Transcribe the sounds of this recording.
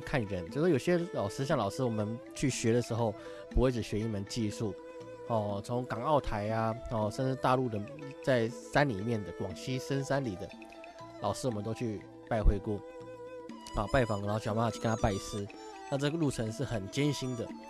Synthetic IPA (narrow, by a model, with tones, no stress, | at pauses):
kʰa˥˩nɻə˧˦nt͡ɕjo˥˧ʊʂwɔ˥jo˨˩ɕjɛ˥lɑ˨˩ʊʂɻ̩˥ɕ̬jɑ˥˩ŋlɑ˨˩ʊʂɻ̩˥wɔ˨˩mə˦nt͡ɕʰy˥˩ɕɥɛ˧˦˥d̪ə˨ʂɻ̩˧˥xo˥˩ʊ | pu˧˥xwe˥˩ɪʈ͡ʂɻ̩˨˩ɕɥɛ˧˥i˥nmə˧˦nt͡ɕi˥˧su˥˩ | ɔ˥˩t͡sʰʊ˧˥ŋkɑ˨˩ŋɑ˥˩ʊt̪ʰa˧˥ɪa˧ɔ˥˩ʂə˥˧nʈ͡ʂɻ̩˥˧t̪a˥˧lu˥˩d̪ə˩t͡sa˥˩ɪsa˥˦nli˨˩mjɛ˥˩nd̪ə˩kwɑ˨˩ŋɕi˥sə˦nsa˥nli˨˩d̪ə˦ | lɑ˨ʊʂɻ̩˥wɔ˨˩mə˦t̪o˥ʊt͡ɕʰy˥˧ | pa˥˧ɪxwe˥ɪkwɔ˥˩ | ɑ˥˩pa˥˩ɪfɑ˨˩ŋ˧˥˩t͡ɕʰt͡ɕʰy˥kə˦nʰa˥pa˥˩ɪsɹ̩˥ | na˥˧ʈ͡ʂɤ˥˩˨ɡə˩lu˥˩t͡sʰə˧˥ŋʂɻ̩˥˩xə˨˩nt͡ɕjɛ˦˥nɕi˥nd̪ə˨